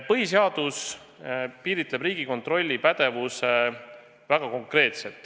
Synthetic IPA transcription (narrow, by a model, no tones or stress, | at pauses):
pɤɦiseɑd̪̥us | piːɾit̪le̞brɾiːɡ̥iko̞nt̪ro̞lʲːipæd̪̥e̞vuse | væɡ̥ɑko̞ŋkre̞ːt̪se̞lt̪ːˑ